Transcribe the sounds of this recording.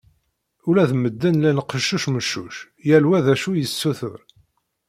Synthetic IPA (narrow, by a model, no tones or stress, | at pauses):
ulæðməd̪ːənlænəqːəʃːuʃməʃːuʃ | jælwæðæʃujəsːuθə̰ɾ